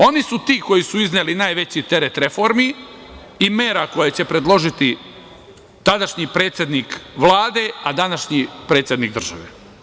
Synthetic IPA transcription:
o̞nisut̪iːko̞jisuiznelinaːjʋe̞t͡ɕit̪e̞ɾet̪ɾefo̞ɾmi | imeːɾako̞jet͡ɕe̞pɾe̞d̪lˠo̞ʒit̪i | t̪ad̪aʃɲipɾe̞ːt̪sjed̪niːkʋlˠaːd̪e̞ad̪anaʃɲipɾet̪sje̞d̪niːk̚d̪r̩ʒaʋḛ

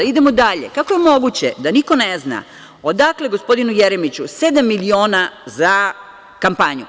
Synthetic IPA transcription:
id̪e̞mo̞d̪aʎekako̞je̞mo̞ɡut͡ɕed̪aniko̞nezna̰ | o̞d̪akle̞ɡo̞spo̞d̪inujeɾemit͡ɕuse̞d̪amːilio̞ːnaza | kampaɲu

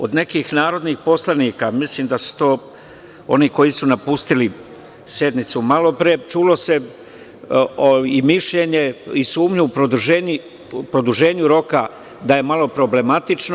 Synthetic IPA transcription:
od̪ne̞kixnaːɾo̞d̪niːxpo̞slaniːkamisliːmd̪asu̥t̪o̞ː | o̞̰niko̞jisunapust̪ili | sje̞d̪nit̪sumalo̞pɾet͡ʃuːlo̞se̞ | oimiʃʎe̞ɲe̞isuːmɲuːpɾod̪uʒeːɲi | pɾo̞d̪uʒe̞ːɲuɾo̞ka | d̪aje̞malo̞pɾo̞ble̞mat̪it͡ʃno

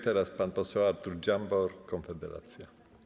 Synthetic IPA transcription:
t̪ɛɾaspanpɔsɛwaɾt̪uɾd͡ʑambɔɾkɔnfɛd̪ɛɾa̰t̪sʲja

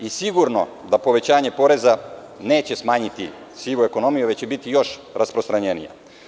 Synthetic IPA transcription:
isiɡuɾno̞̰d̪apo̞ʋe̞t͡ɕaːɲe̞po̞ɾe̞za | neːt͡ɕe̞smaːɲit̪i | siʋue̞ko̞no̞mijuʋe̞t͡ɕt͡ɕebit̪ijo̞ʃɾaspɾo̞st̪ɾaɲenḭja̰

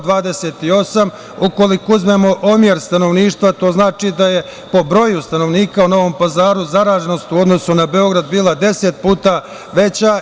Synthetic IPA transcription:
d̪ʋaːd̪e̞seːt̪io̞sam | uko̞likouzme̞mo̞ʔomje̞ɾst̪ano̞ʋniːʃt̪ʋat̪o̞ːznaːt͡ʃid̪aje̞ | po̞bɾo̞ːjust̪ano̞ʋniːkauno̞ʋo̞mpazaːɾuzaɾaːʒe̞no̞st̪uo̞d̪no̞sunabe̞o̞ɡɾad̪biːlˠad̪e̞set̪̚puːt̪a | ʋe̞t͡ɕa

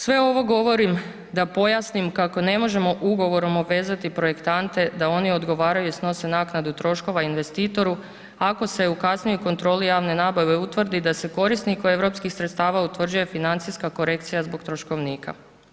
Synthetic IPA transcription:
sʋe̞o̞ʋo̞ɡo̞ʋo̞ɾim | d̪apo̞jasnimkako̞ne̞mo̞ʒe̞mo̞ʔuɡo̞ʋo̞ɾo̞moʋe̞ːzat̪ipɾo̞je̞kt̪ant̪e̞d̪ao̞nio̞d̪ɡo̞ʋaːɾajuisno̞se̞naːknad̪ut̪ɾo̞ʃko̞ʋainʋe̞st̪iːt̪o̞ɾu | ako̞se̞ukasnijuko̞nt̪ɾo̞ːlijaːʋne̞naːbaʋe̞ut̪ʋr̩d̪id̪ase̞ko̞ɾisnikoe̞ʋɾo̞pskixsɾet̪st̪aːʋaut̪ʋr̩d͡ʒuje̞finant̪sijskako̞ɾe̞k̚t̪sijazbo̞kt̪ɾo̞ʃko̞ʋniːka̰

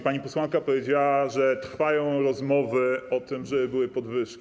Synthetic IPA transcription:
paɲipɔswankapɔvʲjed͡ʑawaʐɛt̪ɾfajɔ̃w̃ɾɔzmɔvɘɔt̪ɘmʐɛbɘbɘwɘpɔd̪vɘʂkʲi̥

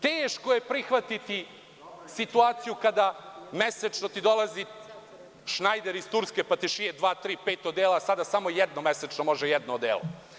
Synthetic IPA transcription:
t̪eːʃkoje̞pɾixʋat̪it̪i | sit̪uaːt̪sijukad̪ameset͡ʃno̞t̪id̪o̞lˠazi | ʃnajd̪eɾist̪uɾske̞pat̪iʃijed̪ʋaːt̪ɾiːpeːt̪od̪eːlasad̪asamo̞jɛd̪nomeset͡ʃnomo̞ʒejɛd̪noːd̪eːlˠo̰

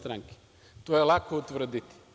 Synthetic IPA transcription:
t̪ɾaŋki̥ | t̪oɛlˠakoot̪vɾəd̪it̪i̥

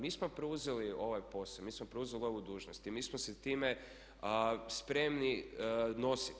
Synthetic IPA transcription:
miːsmopɾuzelio̞ʋajpo̞samiːsmopɾeuzelio̞ʋud̪uːʒnost̪imiːsmoset̪iːme | əspɾe̞mnino̞si

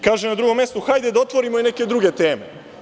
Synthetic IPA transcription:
kaːʒenad̪ɾuɡo̞mːje̞st̪uxajd̪ed̪ao̞t̪ʋo̞ɾimoine̞ke̞d̪ɾuɡe̞t̪e̞ːme

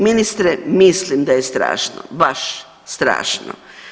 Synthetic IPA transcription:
minist̪ɾemislimd̪ajest̪ɾa̰ːʃno̰baʃ | st̪ɾa̰ːʃno̰

